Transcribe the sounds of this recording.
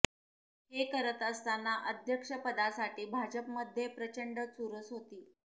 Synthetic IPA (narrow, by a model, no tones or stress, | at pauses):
ɦekəɾət̪əst̪anːaʔəd̪ʱjəkʂəpəd̪asaʈiːbʱad͡ʑəpməd̪ʱjepɾət͡ɕəɳɖət͡suɾəsɦot̪iː